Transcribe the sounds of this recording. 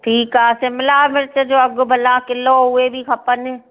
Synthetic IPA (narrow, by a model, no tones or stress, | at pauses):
ʈʰiːkaːsemɪlaːmɪɾt͡ʃed͡ʒoːɐɡʊbʱɐlãːkɪloːɦuebʱikʰɐpəne